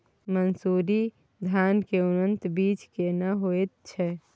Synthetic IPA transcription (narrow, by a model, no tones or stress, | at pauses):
mənsuɾi | d̪ʱjaːnkeʊnənt̪biːt͡ʃkenəɦoet̪̚t͡ʃʰɛ